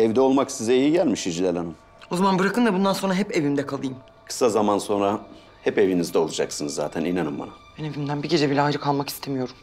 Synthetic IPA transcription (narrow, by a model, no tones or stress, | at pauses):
ɛvd̪ɛo̞lˠmaksizɛijiɟælʲmiʃid͡ʒilʲelʲˠanɯm | ozamanbɯɾakʰɯnd̪abund̪anso̞nɾaɦɛpe̞vimd̪ɛkʰalˠɯjɯm | kʰɯ̥sazamanso̞nɾa | hɛpe̞vinizd̪ɛo̞lˠud͡ʒaksɯnɯzːa̰ːt̪ʰæninanɯmba̰nabæne̞vimd̪ænbiɟe̞d͡ʒɛbilʲɛajd͡ʒɯkʰalˠmaki̥st̪ʰemijo̞ɾum